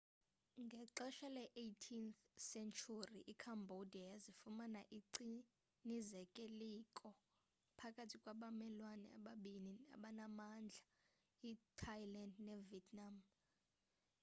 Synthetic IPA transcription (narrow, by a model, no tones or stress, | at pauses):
ŋɡʱɛǁɛʃalɛʔejtʰinθ | sɛnt͡ʃʼʰuriʔikʰambʱodijazifumanaʔiǀi | nizɛkʼelikʼɔ | pʰakʼatʰikʼwaɓamɛlwanɛa̰ɓaɓinia̰ɓanamand͡ɮʱa | itʰajlandnɛviɛtʰʼnam